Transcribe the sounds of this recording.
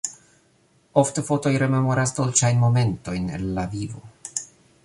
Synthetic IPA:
o̞ftefo̞to̞jɾe̞me̞mo̞ɾasdolt͡ʃajnmo̞me̞nto̞jne̞̰nːavivo

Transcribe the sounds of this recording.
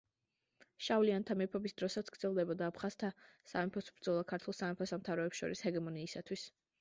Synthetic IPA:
ʃavliant̪ʰamɛpʰɔbisd̪ɾɔsat̪sɡ̥ɾd̪zɛlˠd̪ɛbɔd̪aːpʰχaz̥t̪ʰasa̰mɛpʰɔsbɾd̪zɔlˠakʰaɾt̪ʰulˠsamɛpʰɔsamt̪ʰavɾɔɛpsʃɔ̰ɾishɛɡɛmɔniːsat̪ʰwis

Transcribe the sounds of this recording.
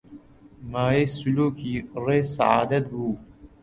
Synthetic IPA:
maːjesuluːkiɾeːsa̰ʕa̰ːd̪ɐt̪̚buː

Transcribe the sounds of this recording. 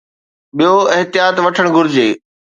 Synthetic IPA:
ɓijoɪɦt̪ɪjaːt̪ʋɐʈʰəɽ̃ɡʱʊɾɪd͡ʑeː

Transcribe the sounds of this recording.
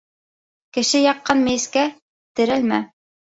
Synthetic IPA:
kɘ̆ʃɘjɑqːɑnmɘ̆jɘ̆skæ | t̪ɘ̆ɾælmæ̰

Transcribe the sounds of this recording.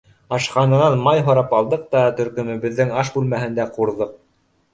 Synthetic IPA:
ɑʃqɑnɤ̆nɑnmɑjɦŏɾɑpɑlˠd̪ɤq̚t̪ɑt̪ɵ̆ɾkɵ̆mɘ̆βɘ̆ðːɘŋɑʃbʉlmæɦɘ̆nd̪æquɾðɤq̚

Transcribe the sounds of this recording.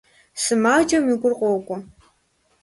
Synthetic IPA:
sɨmaːd͡ʒɐmiɡʷʊrqʷʼɔwkʷʼɔ

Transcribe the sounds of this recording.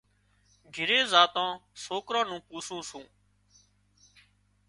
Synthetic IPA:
ɡʱɪɾeːzaːt̪ãːsoːkɾãːnũːpuːsũːsũː

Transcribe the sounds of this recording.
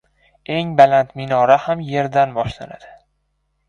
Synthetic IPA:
e̞ŋbalant̪mɪnɒɾahamje̞ɾd̪anbɒʃlana̰d̪̥ɪ

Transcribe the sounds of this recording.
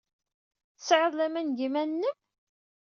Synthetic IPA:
θəsʕəðˤlæmænɡimænːəm

